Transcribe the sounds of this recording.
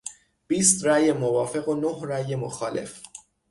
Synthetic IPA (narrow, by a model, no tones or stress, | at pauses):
b̥iːst̪ræːjemovɒːfe̞ɣonohræjemoxɒːle̞̰f